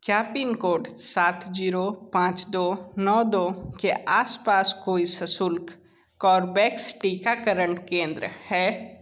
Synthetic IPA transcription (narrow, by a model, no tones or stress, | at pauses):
kjaːpiːnkoːɖsaːt̪ʰd͡ʒiːɾopãːt͡ʃd̪oːnɔːd̪oːkeʔaːspaːskoːisɐsʊlk | kɔːɾbɛːksʈiːkakəɾəɳʈkẽːnd̪ɾəhɛː